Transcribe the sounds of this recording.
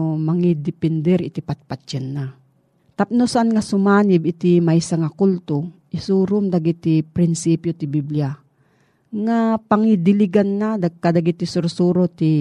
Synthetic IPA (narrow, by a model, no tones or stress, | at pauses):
mɐŋid̪ɪpɛnd̪ɛɾɪt̪ipat̪̚pat͡ʃːanːa | t̪ap̚nosaʔanŋasʊmaːnɪbɪt̪imajsaŋakult̪oʔɪsuːɾʊmd̪aɡit̪ipɾɪnsipjot̪ɪbiblia | ŋapaŋid̪ɪliɡanːad̪aɡ̚kːad̪aɡit̪ɪsʊɾsuːɾot̪i